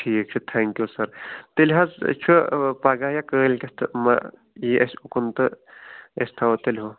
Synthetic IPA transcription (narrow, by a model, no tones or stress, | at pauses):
ʈʰiːk̚t͡ʃʰut̪ʰɛŋkjusɐɾt̪elʲɦazt͡ʃʰupaːɡaːjakəːlʲkʲɐst̪ʰɨma̰ | iʔɐsʲukunt̪ɨ | esʲt̪ʰawt̪elʲɦo